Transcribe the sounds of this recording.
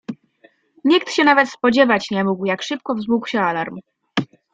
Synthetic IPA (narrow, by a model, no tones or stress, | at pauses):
ɲikt̪ɕɛnavɛt̪spɔd͡ʑɛvat͡ɕɲɛmuɡwjakʂɘp̚kɔvzmukwɕɛalaɾm